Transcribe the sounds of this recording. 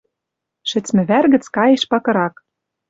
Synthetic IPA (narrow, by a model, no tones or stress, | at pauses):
ʃɘ̆t͡smɘ̆βærɣɘ̆t͡skɑjĕʃpɑkɤ̆ɾɑk